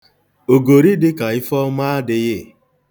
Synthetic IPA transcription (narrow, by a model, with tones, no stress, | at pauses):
o˨ɡo˨ɾi˦dɪ˦ka˨ɪ˦fɔ˦ma˦a˦dɪ˨ɣɪ˦˨